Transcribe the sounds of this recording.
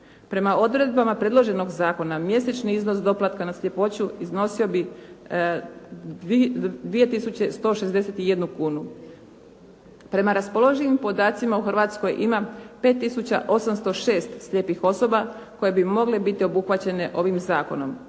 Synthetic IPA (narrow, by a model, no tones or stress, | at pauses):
pɾe̞maod̪ɾe̞d̪̚bamapɾe̞d̪lˠo̞ʒe̞no̞ɡzaːko̞namje̞set͡ʃniizno̞sd̪o̞plˠat̪kanasʎʲe̞po̞t͡ɕuizno̞sio̞bi | d̪ʋie̞t̪isut͡ɕe̞st̪o̞ːʃe̞zd̪e̞set̪ije̞d̪nukuːnu | pɾe̞maɾaspo̞lˠo̞ʒenimpo̞d̪aːt̪simauxr̩ʋaːt̪sko̞jʔimape̞ːt̪ːisut͡ɕa̰ʔo̞samst̪o̞ʃe̞ːst̪sʎʲe̞pixo̞so̞ba | ko̞je̞bimo̞ɡlebit̪io̞buxʋat͡ɕe̞ne̞ʔo̞ʋimzaːko̞no̞m